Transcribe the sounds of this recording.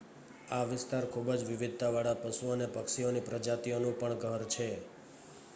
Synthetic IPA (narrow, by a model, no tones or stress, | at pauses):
aʋɪst̪aɾkʰubəd͡ʒʋɪʋɪd̪̚ʱt̪aʋaɭapəsuənepəkʃionipɾəd͡ʒat̪ionũpəɳɡʱəɾt͡ʃʰe